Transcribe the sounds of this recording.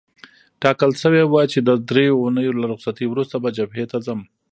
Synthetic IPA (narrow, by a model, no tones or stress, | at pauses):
ʈɑkəlʃəwewat͡ʃed̪əd̪ɾejounəjolaɾʊqsat̪iwɾust̪abad͡ʒabɦet̪azam